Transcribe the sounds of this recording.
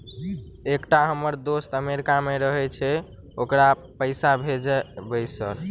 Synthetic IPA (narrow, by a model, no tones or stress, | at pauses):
ekʈaɦəməɾd̪ost̪əmeɾikameɾəɦɛt͡ʃʰɛ | okɾapəɪsabʱed͡ʒɛbəsə̰ɾ